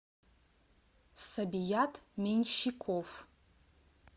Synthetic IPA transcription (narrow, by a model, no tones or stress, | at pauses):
sabijatʰʼmenʲʃikʷʰof